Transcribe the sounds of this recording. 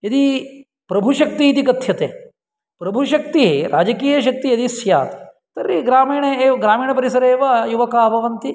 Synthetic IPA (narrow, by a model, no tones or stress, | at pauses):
ɐd̪i | pɾɐbʱuʃɐk̚t̪iːt̪̬ikɐt̪ʰːjɐt̪eː | pɾɐbʱuʃɐk̚t̪iɦɾʔa̰ːd͡ʒɐkiːjɐʃ̬ɐk̚t̪iɐd̪isjaːt̪e̥ | t̪ɐɾːiɡɾaːmiːɳeeːʋɐɡɾaːmiːɳɐpɐɾisɐɾeːʋɐjuʋɐkaːɐbʱɐʋɐnt̪i